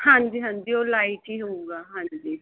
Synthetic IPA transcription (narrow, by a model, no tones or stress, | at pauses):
hãɲd͡ʒiːɦãɲd͡ʒiolaːiʈiɦouɡaːɦãɲd͡ʒiː